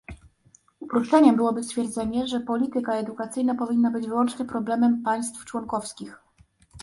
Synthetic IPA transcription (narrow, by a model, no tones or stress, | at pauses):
upɾuʂt͡ʂɛɲɛbɘwɔbɘst̪fʲjɛɾd̪zɛɲɛʐɛpɔlʲit̪ɘkaɛd̪ukat̪sɘjnapɔvʲinːabɘd͡ʑvɘwɔnt͡ʂɲɛpɾɔblɛmɛmpaj̃st̪ft͡ʂwɔnkɔfskʲix